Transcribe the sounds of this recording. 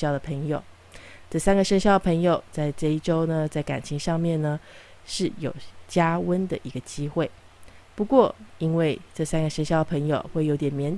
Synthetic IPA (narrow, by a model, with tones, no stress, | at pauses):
jɑ˥˩ʊd̪ə˩pʰɤ˧˥ŋjo˨˩ʊ | ʈ͡ʂɤ˥˩sa˥nɡə˨ʂə˥ŋɕjɑ˥˩ʊd̪ə˩pʰɤ˧˥ŋjo˨˩ʊt͡sa˥˧ɪʈ͡ʂɤ˥˧i˥˩ʈ͡ʂo˥ʊnə˨t͡sa˥˩ɪka̰˨˩nt͡ɕʰi˧˥ŋʂɑ˥˧ŋmjɛ˥˩nnə˩ | ʂɻ̩˥˩jo˨˩ʊt͡ɕja˥wə˥nd̪ə˨ʔi˧˥ɡə˧t͡ɕi˥xwe˥˩ɪ | pu˧˥kwɔ˥˩i˥nwe˥˧ɪʈ͡ʂɤ˥˩sa˥nɡə˨ʂə˥ŋɕjɑ˥˩ʊd̪ə˩pʰɤ˧˥ŋjo˨˩ʊxwe˥˩ɪjo˧˥ʊt̪jɛ˨˩nmjɛ˧˥n